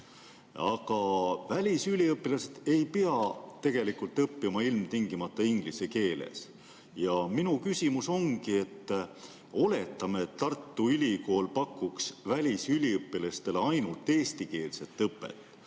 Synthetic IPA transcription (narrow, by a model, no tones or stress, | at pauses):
ɑkɑvælʲisylʲiɤpːilɑsed̪̥e̞jpiɑt̪e̞ɡ̥e̞likult̪ːɤpːimɑilmt̪iŋɡimɑt̪ːˑɑiŋɡ̥liseke̞ːlḛs | jɑminukysʲimuso̞ŋɡie̞t̪ː | o̞le̞t̪ːˑɑmeːt̪ːɑrt̪ˑːuylʲiko̞ːlpɑkːˑuksvælʲisylʲiɤpːˑilɑst̪e̞le̞ɑjnult̪ːˑe̞ːst̪ike̞ːlse̞t̪ːɤpːˑḛt̪ːˑ